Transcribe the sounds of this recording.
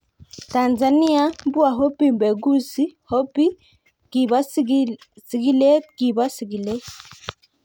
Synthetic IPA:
ta˨nza˨ni˦a˦mbu˦a˨ɦɔ˦pi˦˨mbɛ˨ɡu˦si˦hɔ˦pi˦ | ki˨βa˦ | si˨ɡi˦lɛ˦ki˨βa˦si˨ɡi˨lɛ˦

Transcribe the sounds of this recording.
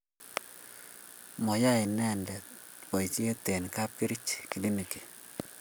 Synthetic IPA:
mɔ˨ja˦ɪ˨nɛ˦˨ndɛ˨ | pɔ˨jt͡ʃe˦t̪e˨nka˦p̚ki˦ɾi˦t͡ʃki˨li˦ni˨ki̥˨

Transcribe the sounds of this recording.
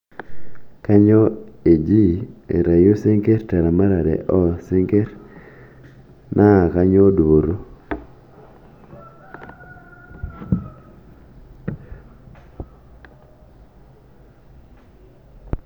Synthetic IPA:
ka˦ɲɔ˦e˨d͡ʒi˦ḛ˨ɾa˨jo˦se˦ŋɡe˦rta˨ɾa˨ma˦ɾa˨ɾɛ̰˨ʔɔ˦se˦ŋɡe˦ɾ | nʔa˦˨ka˦ɲo˦do˨ɾo˦

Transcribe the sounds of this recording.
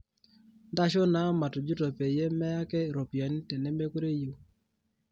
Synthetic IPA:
nda˦ʃɔ˦na˦ma˨tɔ˨d͡ʒu˦to˨pe˨je˦mɛ˦ja˦kɛ˦ɾo˨pja˨ni˦tɛ˨nɛ˦me˦ku˦ɾe˦ju˨

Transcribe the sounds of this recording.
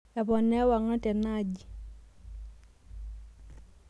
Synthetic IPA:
ɛ˨bɔ˨nɛ˦wa˨ŋa˦tɛ˨na˦˨d͡ʒi˨

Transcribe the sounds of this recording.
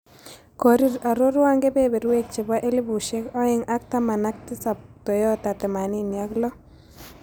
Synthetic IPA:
ko˨ɾi˦ɾa˨ɾo˦ɾwa˦ŋɡe˦be˦be˨ɾwe˦k̚t͡ʃe˨ba˦ʔe˦li˦bu˨ʃe˦kɔ˦ɪ˨ŋa˦k̚t̪a˦ma˨na˦k̚t̪ɪ˦sa˨p̚t̪o˨jɔ˦ta˨t̪ɛ˨ma˨ni˦ni˨a˦klɔ˦

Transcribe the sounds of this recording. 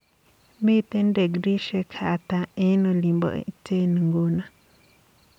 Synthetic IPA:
me˦˨t̪e˦nde˨ɡɾi˦ʃe˧kʰa˨t̪a˧ẽ˦nõ˧li˨mbo̰˨ʔt͡se˦nĩ˨ŋɡo˧˦nã˨

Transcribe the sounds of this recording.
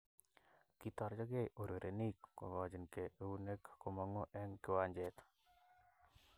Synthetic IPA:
kit̪ɔ˦ɾd͡ʒɔ˦ɡe˦jʔo˨ɾe˨ɾʔe˨ni˦kːo̰˨ɡɔ˨d͡ʒɪ˨nke˨e˦u˦ne˦kko˨ma˨˦ŋo˦ʔɛ˦ŋkɪ˦wa˦ɲd͡ʒɛt̪

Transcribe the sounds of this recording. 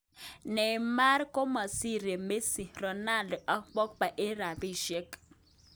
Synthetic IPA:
nɛ˨ma˦ɾko˦ma˨si˦˨ɾe˨me˦si˨rɔ˨na˦˨ldɔ˨ʔa˦k͡pɔ˦k̚k͡pa˨ʔe˦ɾa˨bi˦ʃe˦k

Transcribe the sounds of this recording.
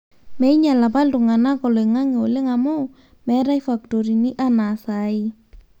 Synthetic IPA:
mɛ˨ɪ˦ɲa˨la˨pa˦ltʊ˨ŋa˨na˦kɔ˨lɔ˨ɪ˨ŋa˦ŋɪ˨o˨lɪ˦ŋa˨mʊ˦ | mɛ˨˦ɾa˦jfa˨k̚to˨ɾi˨ni˦ʔa˦na˨sa˨˦ɪ˦

